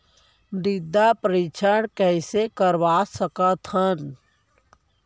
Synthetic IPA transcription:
d̪ɪd̪ːapɾit͡ʃʰəɽkɛɪsekəɾʋasəkət̪ɦən

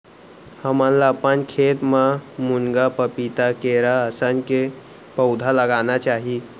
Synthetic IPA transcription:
həmanlaːpənkʰet̪mamuŋɡapəpit̪akeɾaəsənke | pəwd̪ʱaləɡanat͡ʃaɦi

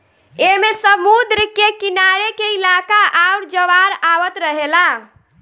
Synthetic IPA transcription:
emesəmud̪ɾəkekinaɾekeilakaʔawɾd͡ʒəʋaɾaʋət̪ɾəɦela

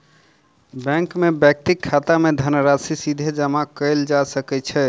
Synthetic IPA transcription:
bɛ̃ŋkmebjək̚t̪ikʰːat̪amed̪ʱənəɾasisid̪ʱed͡ʒəmakəɪld͡ʒasəkɛt͡ʃʰɛ

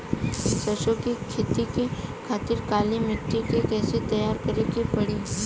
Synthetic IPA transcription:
sɐʃokikʰeːt̪ikikʰaːt̪ɪɾkaːlimɪʈːikekɛːsit̪ɐjaːɾkɐɾekipɐɽiː

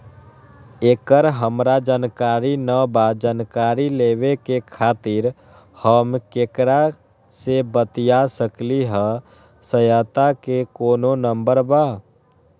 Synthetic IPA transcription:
ekəɾɦəmɾad͡ʒankaɾinəbad͡ʒankaɾileβekekʰat̪iɾ | həmkekɾa | sebət̪ijasəkliɦə̃ | səjət̪akekoːnonəmbəɾba

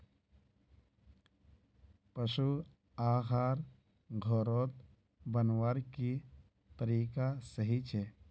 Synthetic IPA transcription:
pəʃu | aːxaːɾ | ɡʱɔːɾoːt̪ | bənwaːɾki | t̪əɾiːkasəɦit͡ʃʰɛː

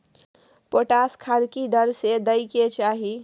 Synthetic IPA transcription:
poʈaskʰad̪kid̪əɾsed̪əjket͡ʃaɦi

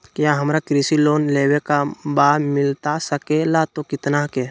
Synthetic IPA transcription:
kjãɦəmɾakɾisiloːnleːwekabaːmɪlt̪asəkelat̪okɪt̪nake

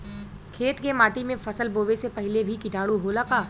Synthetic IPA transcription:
kʰeːt̪kemaːʈimẽfɐsəlboːʋesepɐɦɪlebʱikɪʈaːɽuɦolakaː

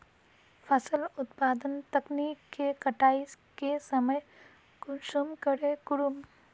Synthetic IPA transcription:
pʰɐsəlʊt̪paːd̪ənt̪ɐknikkːekɐʈaːis | kesəməj | kʊʃumkəɾekʊɽum

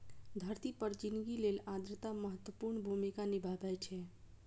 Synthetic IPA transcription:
d̪ʱəɾt̪ipəɾd͡ʒinɡilelad̪ɾət̪aməɦət̪wəpuɾɳbʱumikanibʱabɛt͡ʃʰɛ

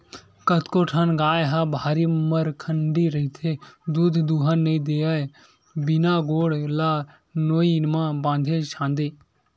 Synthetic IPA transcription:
kət̪koʈʰanɡaːjɦaːbʱaːɾiːməɾkʰəɳɖiɾəɦit̪ʰed̪uːd̪ʱd̪uːɦanːəid̪eːa | bɪnaːɡoːɽlaː | noːinmãːbãːnd̪ʱeʃãːnd̪eː

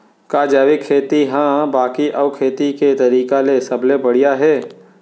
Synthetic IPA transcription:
kaːd͡ʒaːʋɪkʰːeːt̪iɦãːbaːkiʔɐʋkʰeːt̪iket̪ɐɾiːkalesɐblebɐɽijaɦɛː

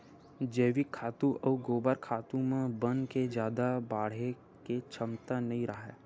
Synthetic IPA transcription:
d͡ʒeːʋikʰːaːt̪ũʔɐʋɡoːbəɾkʰaːt̪ũmẽbənked͡ʒjaːd̪abaːɽ̤e | ket͡ʃʰəmt̪anɐɦĩɾəɦɛ̰ː

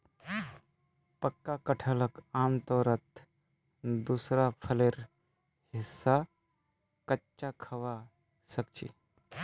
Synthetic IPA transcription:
pəkːakəʈʰələkãːmt̪ɔɾət̪ | d̪usɾapʰəleɾ | hɪsːa | kətːt͡ʃːakʰɐʋa | sək̚t͡ʃḭ

